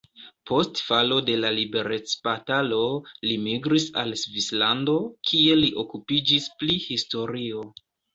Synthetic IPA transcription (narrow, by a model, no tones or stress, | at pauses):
po̞stfalo̞de̞lalibe̞ɾe̞t͡spatalo̞limiɡɾisa̰lsvislando̞kʰie̞liʔo̞kupid͡ʒisplihisto̞ɾio̞